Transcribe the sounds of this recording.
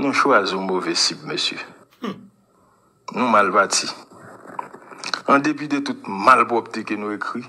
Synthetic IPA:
nũʃoazũmovɛsib̚mesjø̰ | nũmalpati | ãd̪ep̬id̪et̪ut̪̚malpɔp̚t̪ekenũekʁi

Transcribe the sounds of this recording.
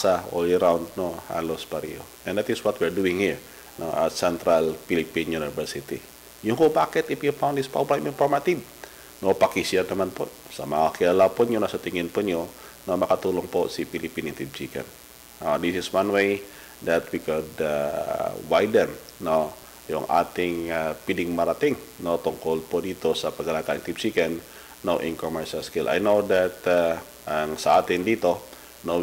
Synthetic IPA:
sao̰liɾawndnoha̰losbaɾio̰ | ɛ̃ndɛt̪iswɔt̪̚wiɹduɪŋhiɹ | nosɛnt̪ɾalfilipinjunivəɾsit̪ḭ | jukopakɛt̪ifjupawndispɔ̰blamĩnfɔrmat̪iv | nopakisianamanpɔnsa̰maakialapʊnjunasat̪iŋɪnpʊnjɔ | nomakat̪ulʊŋpɔsifilipinint̪ib̚d͡ʒika̰nː | ad̪isɪswanwej | dɛt̪̚bikɔda | wajdənno | jɔ̰ŋʔa̰t̪ɪŋapidɪŋmaɾat̪ɪŋnot̪ɔŋkɔlpɔdit̪usapaɡalakaiŋt̪ibsikɛnː | oʔinkɔmɛɹʃalskilʔa̰jnodɛt̪ | əŋsaat̪indit̪u | no

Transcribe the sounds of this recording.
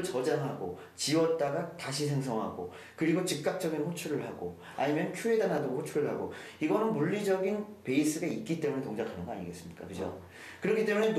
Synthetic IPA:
ɭt͡ɕʌd͡ʑaŋɦaɡo̰ | t͡ɕiwʌt̚t͈aɡataɕʰis̬ʰe̞ŋs̬ʰʌŋɦa̰ɡo̰ | kɯɾiɡot͡ɕik̚k͈ak̚t͡ɕ͈ʌɡinɸot͡ɕʰuɾɯɭɦaɡo | a̰ɲimjʌnt͡ɕʰue̞danadoɡɸot͡ɕʰuɾɯɭɦaɡo | iɡʌnɯnmuʎːid͡ʑʌɡinpe̞is͈ɯɡait̚k͈it͈e̞mune̞toŋd͡ʑakʰanɯnŋɡʌa̰ɲiɡe̞s͈ɯmɲik͈a̰kɯd͡ʑo̰ | kɯɾʌkʰit͈e̞munen

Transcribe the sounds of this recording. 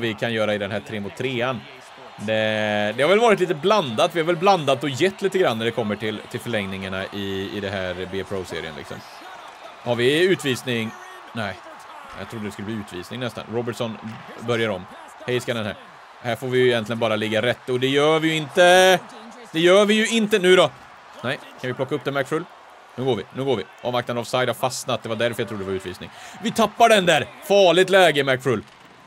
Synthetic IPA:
vɪkʰanjœːɾaɪd̪ɛnɦæːʈ̪ʰɾeːmʊt̪ʰːɾeːan | d̪ɛd̪ɛhaɾvɛlvɑːɾɪt̪liːt̪əbland̪at̪vɪhaɾvɛlbland̪at̪ːɔjɛt̪ːliːt̪əɡɾanːæɖɛkʰɔmːəʈʰɪlt̪ʰɪlfœɭɛŋnɪŋaɳaʔɪɪ̰d̪ɛɦæːɾbeːpʰɾosḛːɾɪ̰ə̰nlɪksɔ̰m | haɾvɪʉ̟ːt̪viːsnɪŋ | næɪ | jɑ̰t̪ʰɾʊd̪ədɛskɵlːbliːʉːt̪vḭːsnɪŋnɛst̪a̰nɾɔbəʈʂɔnbœɾjaɾɔ̰m | hɛjskad̪ɛnhæ̰ːɾ | hæɾfoːvɪjɪjɛnt̪lɪɡənbɑːɾalɪɡːaɾɛt̪ːɔd̪ɛjœːvɪjɵɪnt̪ə | d̪̥ɛjœːvɪjɵɪnt̪ənʉ̟ːɾɔ | nɛjkʰanvɪpʰlɔkːaɵp̚d̪ɛmækfɾɵl | nʉ̟ːɡoːɾvɪnʉ̟ːɡoːɾvɪ̰ʔɔ̰mak̚t̪anavsaɪd̪haɾfasnat̪̚d̪ɛvaɖæɾfœɾjat̪ɾʊd̪d̪ɛvaʉ̟ːt̪vḭːsnɪ̰ŋvɪt̪ʰapːaɖɛnd̪æɾfɑːɭɪt̪lɛːɡəmækfɾɵl

